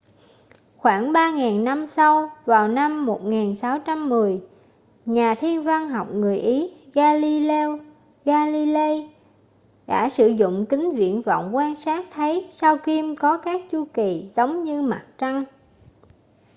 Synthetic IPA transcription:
xwaː˧˩nɓaː˧ŋaː˨˩nːa˧msa˧wvaː˨˩wna˧mːo˨˩t̚ŋaː˨˩nsa˨˦wt͡ɕa˧mːɨ˨˩əj | ɲaː˨˩t̪ʰi˧ənva˧ŋɦa˨˩wk͡p̚ŋɨ˨˩əjʔi˨˦ɣaː˧li˧lɛ˧w | ɣaː˧li˧le˧ | ɗa̰ː˧˩sɨ̰˧˩zʊ̰˧˨ŋ͡mkï˨˦ŋ̟vḭ˧˨ənvɔ̰˧˨wŋ͡mkwaː˧nsaː˦˥k̚t̪ʰə˨˦jsaː˧wki˧mkɔ˨˦kaː˦˥k̚t͡ɕu˧ki˨˩zə˨˦wŋ͡mɲɨ˧ma˨˩t̚t͡ɕa˧ŋ

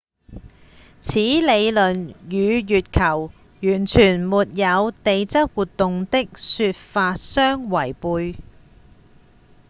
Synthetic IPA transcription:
t͡sʰiː˨˥le˨˧jlɵ˨˩njyː˨˧jyː˨t̚kʰɐ˨˩w | jyː˨˩nt͡ʃʰyː˨˩nmuː˨t̚jɐ˨˧wt̪e˨˧jt͡sɐ˥t̚wuː˨t̪̚ːʊ˨ŋt̪ɪ˥k̚syː˧t̚faː˧t̚sœː˥ŋwɐ˨˩jpuː˧j

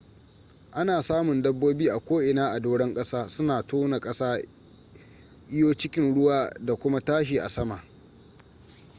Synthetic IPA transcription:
ʔa˦naː˨saː˦mʊ˨ndɐ˦bːoː˦biː˦ʔa˨kʷoː˦ʔɪ˨naː˦ʔa˨doː˦ɽɛ˦ŋkʼɐ˦saː˦sʊ˦naː˨toː˦na˨kʼɐ˦saː˦ | ʔɪ˦joː˦t͡ʃɪ˦kʲɪ˦nɽʊ˦waː˦da˨kʷʊ˦ma˦taː˦ʃ̬iː˨ʔa̰˨sɐ˦ma˨ʔ

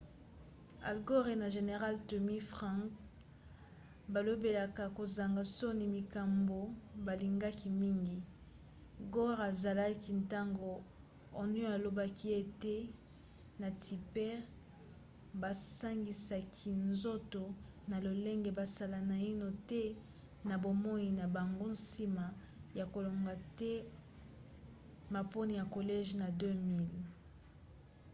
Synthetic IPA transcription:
a̰˨lɡo˦ʁe˨na˨ʒe˨ne˨ʁa˦lto˨mi˦fʁã˦ŋk | ba˨lo˦be˨la˨ka˨ko˨za˨ŋɡa˨so˦ni˨mi˨ka˨mbo˨ba˨li˨ŋɡa˦ki˨mi˦ŋɡi˨ | ɡɔ˦ʁa˨za˨la˦ki˨nta˦ŋɡoː˨ | ny˦a˨lo˨ba˦kʰi˦e˨te˦ | na˨tʰi˨pɛ˦ʁ | ba˨sa˦ŋɡi˨sa˨kʰi˨nzo˦to˨ | na˨lo˨le˦ŋɡe˨ba˨sa˨la˨na˨i˦no˨tɛ˦ | na˨bo˨mɔ˦i˨na˨ba˨ŋɡo˦n̩˦si˦ma˨ | ja˨ko˨lo˨ŋɡa˨tɛ˦ | ma˨po˦ni˨ja˨ko˨lɛ˦ʒna˨dø˦mi˦˨l

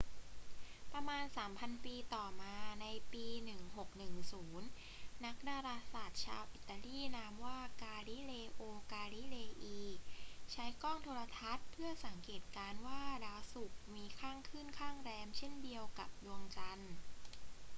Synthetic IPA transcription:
pɾa˧maː˧nsaː˩˦mpʰa˧npiː˧t̪ɔː˨˩maː˧na˧jpiː˧nɯ˨˩ŋho˨˩k̚nɯ˨˩ŋsuː˩˦nː | a˦˥k̚daː˧ɾaː˧saː˨˩t̪̚t͡ɕʰa̰ː˧wʔi˨˩t̪ːa˧liː˥˩naː˦˥mwaː˥˩kaː˧ɾi˦˥˩leː˧ʔoː˧kaː˧li˦˥˩leː˧ʔiː˧t͡ɕʰa˦˥jkɔː˥˩ŋt̪ʰoː˧ɾa˧t̪ʰa˦˥t̪̚pʰɯ˥˩ɐsa˩˦ŋkeː˨˩t̪̚kaː˧nwaː˥˩ɾaː˧su˨˩k̚miː˧kʰaː˥˩ŋkʰɯː˥˩nkʰaː˥˩ŋɾɛː˧mt͡ɕʰe˥˩ndi˧əwka˨˩p̚du˧əŋt͡ɕa˧n

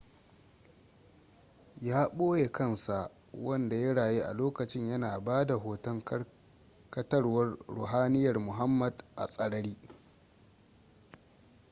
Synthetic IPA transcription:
jaː˦ɓoː˦je˨kʰɐ˦nsa˨ʔ | wɐ˦nda˨jɐ˦ɽaː˨jeː˦ʔa̰˨loː˦kɐ˨t͡ʃɪ˦ɲjɐ˦naː˨baː˦da˨ɦoː˨tɐ˦ŋ˦ | kɐ˦tɐ˦rwɐ˦rɽʊ̰˨ɦaː˦nɪ˦jɐ˨rmʊ˨ɦa˦mːɐ˨dʔa̰˨sʼɐ˨ɽɐ˦ɽiː˦

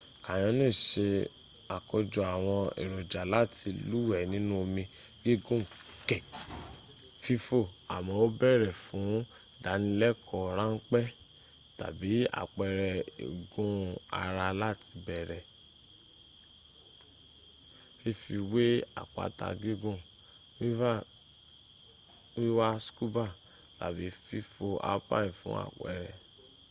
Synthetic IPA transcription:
kã˨j̃ɔ̃˧˦nĩ˦˨ʃe˧ | a˨kɔ˧d͡ʒɔ˧˨a˨w̃ɔ̃˧ḛ˨ɾo˨d͡ʒa˨la˦ti˧lu˦wɛ˨nĩ˦nũ˦o˧mĩ˧ | ɡ̥i˦˨ɡũ˦˨kɛ˨ | fi˧fo˦˨a̰˨mɔ̃˧o˦bɛ˦˨ɾɛ˨fũ˨˦ | da˨˦nĩ˧lɛ˦kʰɔ˨ɾã˦ŋ̩˦k͡pɛ˦ | ta̰˨bi˨˦a̰˨k͡pɛ˨ɾɛ˨ḭ˨ɡũ˦a̰˧ɾa˧la˦˨tʰi̥˧bɛ˨ɾɛ˨ | i˦˨fi˧we˦a̰˨k͡pa̰˨ta̰˧˨ɡi˦ɡũ˦˨ | wi˦va˦˨ | wi˦wa˦sku˦ba˦˨ | ta̰˨bi˨˦fi˧fo˧a̰˦pa̰˦ĩ˨fṵ̃˦a̰˦˨k͡pɛ̰˨ɾɛ˨

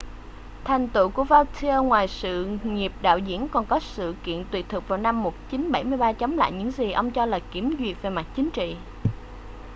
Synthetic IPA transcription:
t̪ʰa˨˩jŋ̟t̪ṵ˧˨ku˧˩əvaː˧wt̪ʰi˧əː˧ŋwaː˨˩jsɨ̰˧˨ŋi˨˩əp̚ɗa̰ː˧˨wzḭ˧˥ənkɔ˨˩nkɔ˨˦sɨ̰˧˨kḭ˧˨ənt̪wi˨˩t̚t̪ʰɨ˨˩k̚vaː˨˩wna˧mːo˨˩t̚t͡ɕi˨˦nɓə˧˩jmɨ˧əjɓaː˧t͡ɕə˨˦wŋ͡mla̰ː˧˨jɲɨ̰˧˥ŋzi˨˩ʔə˧wŋ͡mt͡ɕɔ˧laː˨˩ki˨˧˩əmzwi˨˩ək̚ve˨˩ma˨˩t̚t͡ɕi˨˦ŋ̟t͡ɕḭ˧˨

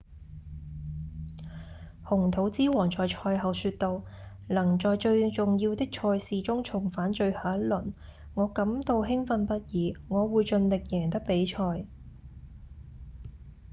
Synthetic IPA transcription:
hʊ˨˩ŋt̪ʰo˨˥wt͡siː˥wɔː˨˩ŋt͡ʃɔː˨jt͡ʃʰɔː˧jɦɐ˨wsyː˧t̚t̪o˧w | lɐ˨˩ŋt͡ʃɔː˨jt͡ʃɵ˧ɥt͡sʊ˨ŋjiː˧wt̪ɪ˥k̚t͡ʃʰɔː˧jsiː˨t͡ʃʊ˥ŋt͡ʃʰʊ˨˩ŋfaː˨˥nt͡ʃɵ˧ɥhaː˨˥n̚lɵ˨˩n | ŋɔː˨˧kɐ˨˥mt̪o˧wɦɪ˥ŋfɐ˧npɐ˥t̚jiː˨˥ŋɔː˨˧wuː˨˧jt͡ʃɵ˧nlɪ˨k̚jɛː˨˩ŋt̪ɐ˥k̚pe˨˥jt͡ʃʰɔː˧j

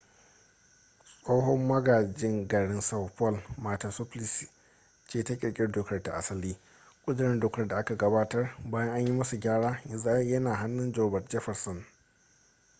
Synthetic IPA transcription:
sʼoː˦ɦɔ˦mːɐ˦ɡaː˨d͡ʒɪ˦ŋɡɐ˨ɽɪ˦nsa˦wpɔ˦lmaː˨ta˨sʊ˦plɪ˨si˨ | t͡ʃeː˦˨ta˦kʲʼɪ˨kʲʼɪ˦rdʊː˨kɐ˦rta˨ʔa˨sɐ˦liː˦ | kʷʼʊ˦dɪ˨ɾɛ˦ndʊː˨kɐ˦rda˨ʔa˦ka˨ɡɐ˦baː˦tɐ˦rbaː˦jɐ˦ŋʔa˦ɲji˦mɐ˦su˨ɡʲaː˦ɽaː˦ja˨za˦jɐ˦naː˨ɦa˦nːʊ˦nd͡ʒɔː˨bɐ˨td͡ʒɛ˦ɸɐ˨rsɔ˨n

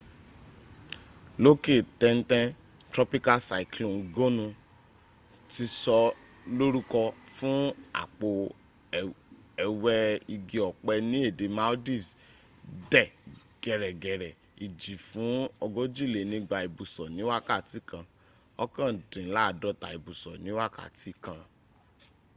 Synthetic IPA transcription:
lo˦ke˦˨tɛ̃˧n̩˦tɛ̃˦ | tɾɔ˦pi˦ka˧sa˨klũ˨ɡo˦nũ˧ | ti˧sɔ˧ | lo˦ɾu˦kɔ˧fũ˦a̰˨k͡po˨ | ɛ˧wɛ˧i˧ɡi˧ɔ˨k͡pɛ˧nĩ˦e˦˨de˨ma˧o˦di˦˨s | dɛ˦˨ | ɡ̥ɛ˨ɾɛ˨ɡɛ˨ɾɛ˨ | i˨d͡ʒi˨fũ˨˦ɔ˧ɡo˦d͡ʒi˦˨le˨nĩ˦ɡ͡ba˧i˨bu˨sɔ˨nĩ˨˦wa˦ka˦˨ti˨˦kã˧ | ɔ˦kã˦˨dĩ˨˦la˦˨dɔ˧˦ta˨i˨bu˨sɔ˨nĩ˨˦wa˦ka̰˦˨ti˨˦kã˧

